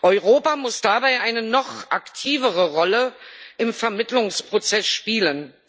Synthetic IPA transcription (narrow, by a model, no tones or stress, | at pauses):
ʔɔʏʁoːpamʊsd̥abaɪʔaɪnənɔχʔaktʰiːvəʁəʁɔləʔɪmfɛɐmɪtlʊŋspʁ̥ot͡sɛsʃpiːlən